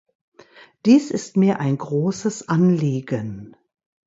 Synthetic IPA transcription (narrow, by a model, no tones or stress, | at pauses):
d̥iːsɪstmiːɐʔaɪnɡʁoːsəsʔanliːɡən